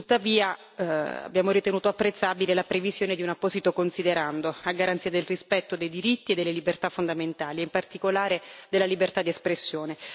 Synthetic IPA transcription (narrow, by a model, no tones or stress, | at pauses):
t̪ut̪ːaviːa | a̰bːjaːmoɾit̪enuːt̪oapːɾet̪sːaːbilelapɾevizjoːned̪iunapːɔːzit̪okonsid̪eɾand̪oaɡaɾant̪siːad̪elrispɛt̪ːod̪ejd̪iɾit̪ːied̪ːelːelibert̪afːond̪ament̪aːlieimpart̪ikolaːɾed̪elːalibert̪ad̪iespɾesːjoːne